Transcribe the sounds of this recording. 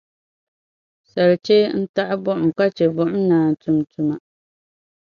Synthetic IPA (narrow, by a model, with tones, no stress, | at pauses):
sa˨lt͡ʃe˦n̩˦ta˦ʔɪ˦bʊ˦ʔʊ˨mka˦t͡ʃe˨bʊ˦ʔʊ˦mnaː˨n˨tu˨mtu˨ma˨